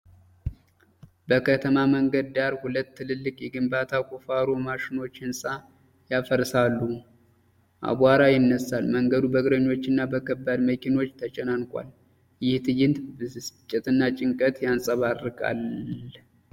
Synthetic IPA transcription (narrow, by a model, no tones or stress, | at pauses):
bəkʰət̪ʰəmaməŋɡəd̪ːaɾhulət̪ʰːɨlɨlːɨkʼjɛɡɨmbat̪ʰakʼufaɾo̞maʃɪno̞t͡ʃːɪnsʼa | jafəɾsalːu | ʔa̰βaɾajɪnːəsːalməŋɡəd̪ubəɡɾəɲːo̞t͡ʃːɪnːabəkʰəbːad̪məkʰino̞t͡ʃːt̪ʰət͡ʃʼɛnankʷʼa̰l | jɪht̪ʰɨjɪnt̪bɨst͡ʃʼːɪt̪ʼɨnːat͡ʃʼɪŋkʼət̪jansʼəβarːɨkʼa̰l